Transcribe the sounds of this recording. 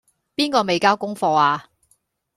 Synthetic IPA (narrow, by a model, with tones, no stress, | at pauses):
piː˥nkɔː˧me˨jkaː˥wkʊ˥ŋfɔː˧aː˧